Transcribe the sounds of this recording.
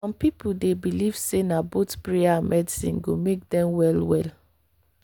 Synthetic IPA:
ɔ̃mpipudebiliv̥senabotpɹeamɛdisḭ̃nɡomek̚dɛ̃mwɛlwɛl

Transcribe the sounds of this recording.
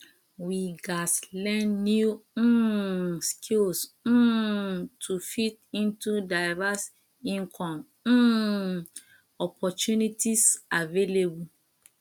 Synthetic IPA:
wiɡaslɛ̃nnju | skʰils̩ | tʰufitĩntudaɪvas | ĩŋkʰɔ̃m̩ | ɔpʰɔt͡ʃunitisavelebu

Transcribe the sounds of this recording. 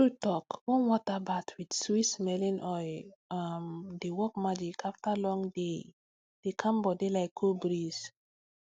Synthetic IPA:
tutɔkwɔ̃nwɔtabatʰwidswismɛlĩnʔɔjamdewɔk̚mad͡ʒikaftalɔ̃ŋde | d̥ekʰãmbɔdelaɪkʰːobɾis

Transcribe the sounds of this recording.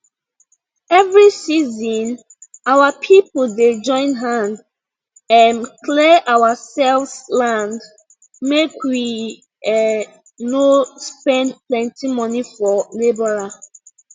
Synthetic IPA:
ɛvɹisizɔ̃n | awapʰipolded͡ʒɔ̃ɪ̃nɦãnd | ãnkʰlɛʔawasɛlfslãnd | mekwi | nospɛ̃ndplɛ̃ntimɔnifɔlibɔɹa

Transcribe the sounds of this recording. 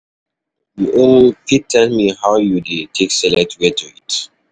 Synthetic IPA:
juʔõnlipitʰɛlmihawjudetʰeksɛlɛk̚tʰwɛtʰuḭt

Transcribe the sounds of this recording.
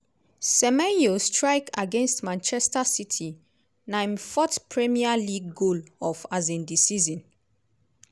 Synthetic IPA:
sɛmɛjostʰɹaɪkaɡẽnstmãnt͡ʃɛstasitʰi | nãɪ̃nfɔtpʰɹɛmialiɡːolɔfazĩndisizɔ̃n

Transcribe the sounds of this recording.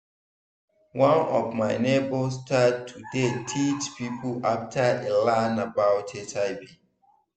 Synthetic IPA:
wãnɔvmaɪnebostʰad̚tʰudetʰit͡ʃpipʰəaftʰəelãnabaʊtʰetaɪbi

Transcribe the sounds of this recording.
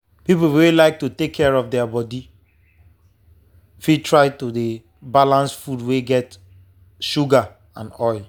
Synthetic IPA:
pipowelaɪk̚tutekʰːɛɹɔfdɛabɔdi | fitʰɹaɪtude | balãnsfudweɡɛt | ʃuɡa | ã̰nɔɪl

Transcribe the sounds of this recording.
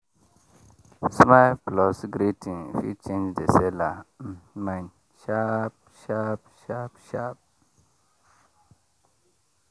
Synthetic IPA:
smaplɔsɡɾitʰinfḭt͡ʃend͡ʒdɛsɛlam̩man | ʃap̚ | ʃap̚ʃapʃap̚

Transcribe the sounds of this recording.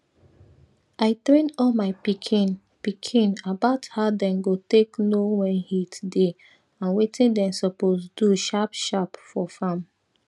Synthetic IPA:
aɪtɹẽndɔlmaɪpikʰin | pikʰĩnabaʊthaʊdɛ̃nɡoteknowɛ̃nhitde | ãnwetĩndɛ̃nsɔposduʃapʃapfɔfãm

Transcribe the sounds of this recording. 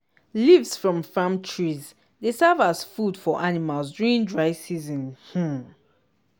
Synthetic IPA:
livsfɹɔ̃mfãmtʰɹiz | desɛvazfudfɔʔanimalˠsduĩndɹaɪsizĩnh̩

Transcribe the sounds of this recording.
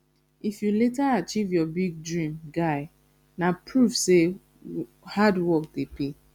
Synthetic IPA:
ifjuletaat͡ʃivjɔbiɡ̚dɹĩmɡaɪ | napʰɹuvse | hadwɔk̚depi

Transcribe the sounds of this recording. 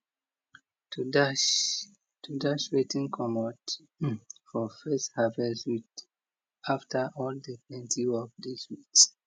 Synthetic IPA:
tudaʃ | tʰudaʃɹetĩnkʰɔmɔt | fɔfɛsthavɛswit | aftʰəʔɔldəplɛ̃ntʰiwɔk̚diswit

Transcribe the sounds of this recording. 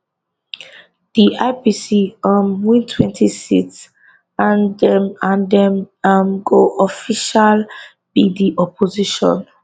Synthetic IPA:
d̥iʔaɪpisiamwĩntʰwɛ̃ntʰisḭts | ãndɛmãndɛmamɡoʔɔfiʃal | b̥idiʔɔpʰoziʃɔ̰̃n

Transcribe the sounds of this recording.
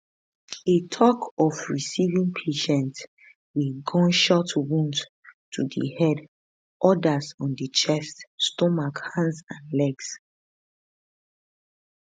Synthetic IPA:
etʰɔkʰɔfɹisivĩŋpʰeʃɛ̃nt | wilɡɔ̃nʃɔtwũnt | tʰudḭhɛd | ʔɔdasɔ̃ndit͡ʃɛstːtɔmakhãnsãnlɛɡs

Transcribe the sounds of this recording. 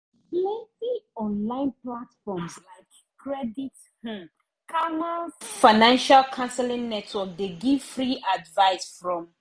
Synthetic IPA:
lɛ̃tiɔ̃nlãɪ̃nplatfɔmzlaɪk | kɹɛdit̩ | kʰanalfaɪnãnʃalkʰãnsɛlĩŋnɛtʰwɔk̚deɡiv̥fɹiʔadvaɪsfɹɔ̃m

